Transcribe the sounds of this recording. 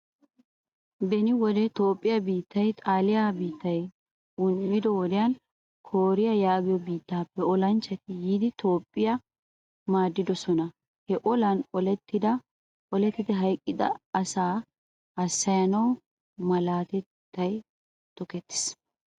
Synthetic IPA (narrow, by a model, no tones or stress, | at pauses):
bɛnɪwɔd̪ɛt̪o̞ːpʼːɪjɐbiːt̪ːɐjt̪ʼaːlɪjabiːt̪ːɐj | ʊnmɪd̪ɔwɔd̪ɪjɐn | kʰoːɾɪjɐjaːbɪjɔbiːt̪ːaːpːɛɔlɐnt͡ʃːɐt̪ɪjiːd̪ɪt̪ʰoːpʼːɪjɐ | maːd̪ːɪd̪ɔsɔnɐ | hɛʔɔlɐnɔlɛt̪ːɪd̪ɐ | ʔɔlɛt̪ːɪt̪ɛɦɐjkʼːɪd̪ɐ̰ɐsaː | ɐsːɐjɐnɐw | mɐlaːt̪ɛt̪ːɐj | t̪ɔkɛt̪ːɪ̥s